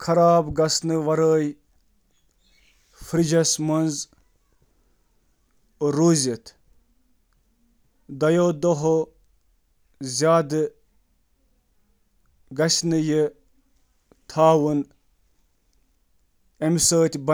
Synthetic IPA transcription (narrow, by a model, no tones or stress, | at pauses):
kʰɐɾaːbɡɐsnɨʋɐɾəːj | fɾid͡ʒɐsmɐnz | ɾuzit̪ʰ | d̪ɐjoːd̪oɦo | zʲaːd̪ɨ | ɡɐsnɨjə | t̪ʰaːwɨn | emsəːt̪ʲbɐ